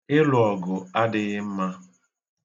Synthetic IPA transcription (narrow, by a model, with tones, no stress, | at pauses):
ɪ˦lʊ˨ɔ˨ɡʊ˨a˦dɪ˨ɣɪ˦m̩˦ma˦